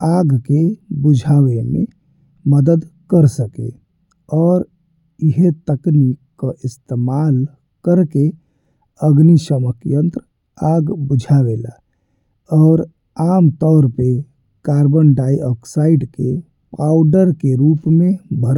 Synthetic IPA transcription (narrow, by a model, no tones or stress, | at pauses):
aɡkebud͡ʒʱawemḛ | məd̪əd̪kəɾsəkḛ | ɔːɾ | iɦet̪əknikkəʔist̪emal | kəɾke | əɡnisəməkjənt̪ɾ | aɡbud͡ʒʱaʋela̰ | ɔːɾ | amt̪ɔːɾpe | kaɾbənɖajɔksaiɖke | paʊɖəɾkeɾupmẽbʱəɾ